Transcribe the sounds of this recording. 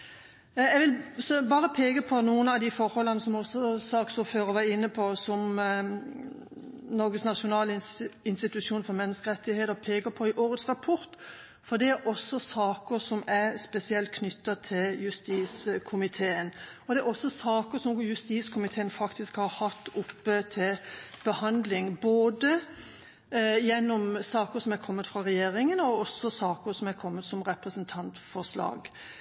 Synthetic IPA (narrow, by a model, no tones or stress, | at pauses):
ɛʋɪlsɔbɑːɾəpʰeːɡəpʰɔnuːənɑʋd̪ɪfɔɾhɔlːɑnəsɔmɔsːɔsɑːksɔføːɾɔʋɑːɪnːəpʰɔsɔm | nɔɾɡəsnɑʂʊnɑːlɪnst̪ɪt̪ʉʂjuːnfɔɾmɛnːəskəʁɛt̪ːɪheːt̪əɾpʰeːɡəpʰɔɪʔoːɾət̪sʁɑpʰɔɾt̪ | fɔd̪ɛæɾɔsːɔsɑːkəɾsɔmæspɛsɪɛlt̪̚kʰnʏt̪ːət̪ʰɪljʉst̪iːskʰʊmɪt̪ʰeːən | ɔd̪ɛæɾɔsːɔsɑːkəɾsɔmjʉst̪iːskʰʊmɪt̪ʰeːənfɑkt̪ɪskhɑɾhɑt̪ːʊpːət̪ʰɪlb̥əhɑnd̪lɪŋboːd̪ə | jɛnːɔmsɑːkəsɔmækʰɔmːət̪fɾɑɾɛjeːɾɪŋənɔɔsːɔsɑːkəɾsɔmæɾkʰɔmːət̪sɔmɾɛpɾəsənt̪ʰɑnt̪fɔʂlɑ̰ːɡ